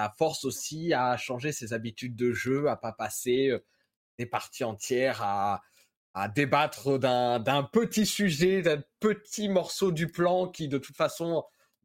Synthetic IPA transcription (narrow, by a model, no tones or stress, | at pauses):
afɔʁsosiaʃɑ̃ʒesezabit̪yd̪̚ːəʒøapapaseø | d̪̥epaʁt̪iɑ̃t̪jɛʁaː | d̪ebat̪χd̪ɛ̃d̪ɛ̃pət̪isyʒɛd̪ɛ̃pət̪imɔʁsod̪yplɑ̃kʲid̪ət̪u̥t̪fasɔ̃